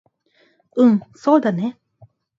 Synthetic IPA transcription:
ɯ̃ŋsoːd̪ane

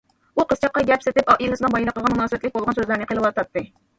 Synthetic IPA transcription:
uqʰəst͡ʃʰɑqːɑɡʲɛpsɪt̪ɪpɑʔilˠɨsnɨŋbɑjlˠəqːəʁɑnmunɑːsəbɛt̪lɪk̚ʲbolˠʁɑnsøzlæɾnɨqʰəlˠɨlwɑt̪ʰɑp̚t̪ːɨ

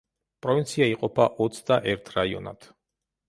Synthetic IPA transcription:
pʼɾɔvint̪sʰiaiqʼɔpʰaʔɔt̪sʰd̪aʔɛɾt̪ʰɾaiɔ̰na̰t̪ʰ

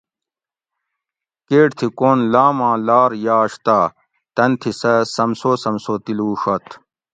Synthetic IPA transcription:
keːʈt̪ʰikoːnlaːmãːlaːɾjaːɕt̪aː | t̪ɐnt̪ʰisɐsɐmsoːsɐmsoːt̪iluːʂɐt̪ʰ

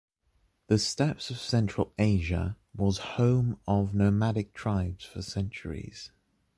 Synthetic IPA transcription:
ðəstɛpsəv̥sɛ̃nt͡ʃɹ̥əleɪʒə̰ | wɒz̥hə̃ʊ̃məvnəʊmaɾɪk̚tʰɹ̥aɪbz̥fəsɛ̃nt͡ʃə̰ɹḭz̥

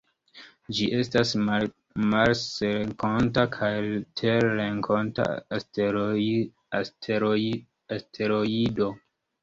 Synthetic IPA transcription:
d͡ʒiʔe̞stas | malseɾeŋkontakʰajtʰeɾɾeŋkʰonta̰st | e | astʰe̞ɾoido

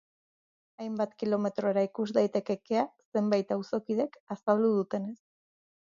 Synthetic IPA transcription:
ajmbat̪kilo̞me̞t̪ɾo̞eɾaikuzd̪ajt̪e̞ke̞ke̞ase̞mbajt̪awso̞kið̞e̞kasald̪uðut̪e̞ne̞s

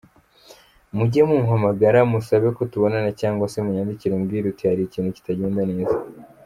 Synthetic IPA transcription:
muɟemumɦamaɡaɾamusaβe̞ko̞tuβo̞nanacaːŋɡosemuɲaːndiciɾumɡiːɾutihaɾiciːnhuci̥taɟe̞ːndane̞ːza

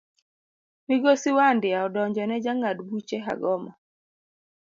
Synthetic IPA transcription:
miɡosiwandɪaɔdɔɲd͡ʒɔnɛd͡ʒaŋadbut͡ʃɛɦa̰ɡɔma

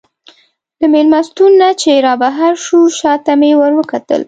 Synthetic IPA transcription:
d̪əmelmast̪unːat͡ʃeɾɑbaɦaɾʃuʃɑt̪amewəɾwəkat̪ə̰l

